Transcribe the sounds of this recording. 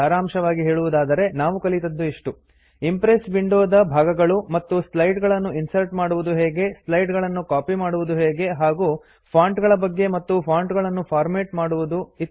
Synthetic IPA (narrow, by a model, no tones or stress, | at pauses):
ɐɾaːmʃɐʋaːɡiɦe̞ːɭuʋud̪aːd̪ɐɾe̞naːʋukɐlit̪ɐd̪ːuiʂʈu | impɾesbiɳɖoːd̪ɐbʱaːɡɐɡɐɭumɐt̪ːuslɐjʈɡɐɭɐnːuinsɐɾʈmaːɽuʋud̪uɦeːɡe̞slɐjʈɡɐɭɐnːukaːpimaːɽuʋud̪uɦeːɡe̞ɦaːɡu | pʰaːɳʈɡɐɭɐbɐɡːe̞mɐt̪ːupʰaːɳʈɡɐɭɐnːupʰaːɾmeːʈmaːɽuʋud̪uit̪ː